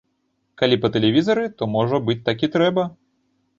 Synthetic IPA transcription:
kalʲipɐt̪ɛlʲɛvʲizɐɾɨt̪ɔmɔʐɐbɨt͡sʲt̪akʲit̪ɾɛbɐ

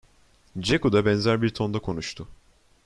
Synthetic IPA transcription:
d͡ʒekud̪abɛnzæɾbiɾt̪ʰo̞nd̪akʰo̞nuʃt̪ʰʊ

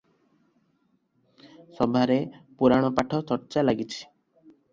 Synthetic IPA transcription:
sɔbʱaɾepuɾaɽ̃ɔpaʈʰɔt͡ʃɔɾt͡ʃalaɡit͡ʃʰi̥

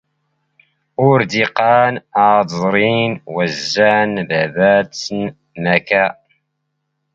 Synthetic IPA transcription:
ʊɾd̪iqɑːnazˤɾinwæzːænbæbæt͡sːən | mækæ

